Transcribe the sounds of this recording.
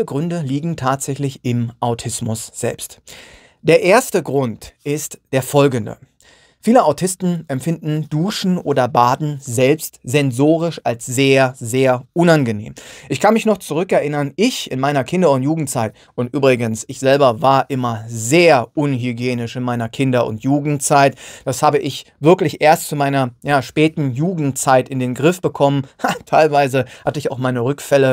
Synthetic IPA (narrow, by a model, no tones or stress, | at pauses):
əɡʁʏndəliːɡŋ̩tʰaːtz̥ɛçlɪçʔɪmʔaʊtʰɪsmʊsz̥ɛ̰lpst | d̥eːɐʔeːɐstəɡʁʊntʔɪstd̥eːɐfɔlɡən̩də̰ | fiːləʔaʊtʰɪstn̩ʔɛmfɪndn̩d̥uːʃn̩ʔoːdɐbaːdn̩zɛlpstz̥ɛnzoːʁ̞ɪʃalsz̥eːɐzeːɐʔʊnanɡənḛːmʔɪçkʰanmɪçnɔχt͡suʁ̞ʏkɛɐʔɪnɐnʔɪçɪ̰nmaɪnɐkʰɪndɐʊntjuːɡŋ̩tt͡saɪt | ʊntʔyːbʁɪɡənsɪçz̥ɛlbɐvaːɐʔɪmɐzeːɐʔʊnɦyɡjeːnɪʃɪnmaɪnɐkʰɪndɐʊ̰ntʰjuːɡŋ̩tt͡saɪtd̥ashaːbəʔɪçvɪɐklɪçʔeːɐstt͡sumaɪnɐjaːʃpɛːtn̩juːɡŋ̩tt͡saɪtɪndeːnɡʁɪfb̥əkʰɔmənhaətʰaɪlvaɪzəhatəɪçaʊxmaɪnəʁʏkfɛlə